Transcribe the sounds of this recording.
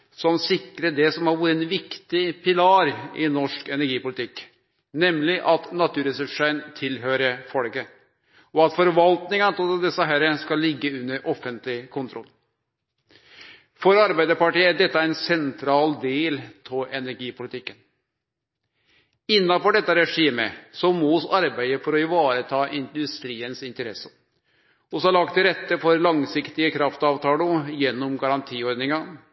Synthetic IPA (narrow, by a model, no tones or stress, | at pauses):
sɔmsɪkɾəɖɛsɔmhɑɾʋuːɾəɛnʋɪkt̪ɪpʰɪlɑːɾɪnɔʂkɛnæɾɡiːpʊlɪt̪ɪkː | nɛmlɪʔɑt̪nɑt̪ʰʉːɾɛsʉʂənt̪ʰɪlɦøːɾəfɔlɡə | ɔɑt̪fɔɾʋɑlt̪nɪŋɑnt̪ɪld̪ɛsːəɦæɾəskɑlːɪɡːəʉnːəɾʔɔfənt̪lɪkʰʊnt̪ʰɾʔɔlː | fɔɾɑɾbæɪd̪əɾpɑʈiːæɖɛt̪ːəæɪnsɛnt̪ʰɾɑːld̪eːltʰɔʔɛnæɾɡiːpʊlɪt̪ʰɪkːən | ɪnːɑfɔɖɛt̪ːɑɾɛʂiːmə̰sɔmuːsɑɾbæɪəfɔɾɔɪʋɑːɾət̪ʰɑːʔɪnd̪ʉst̪ɾiːənsɪnt̪əɾɛsə | ɔsɔɑɭɑkt̪ɪɾɛt̪ːəfɔɾlɑŋsɪkt̪ɪəkʰɾɑft̪ɑːʋt̪ʰɑːlɔjɛnːɔmɡɑɾɑnt̪ʰiːɔɾd̪nɪŋɑ